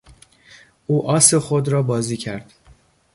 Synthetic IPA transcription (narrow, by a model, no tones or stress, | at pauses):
ʔuːʔɒːsexod̪ɾɒːbɒːziːcʰæɾd̪̥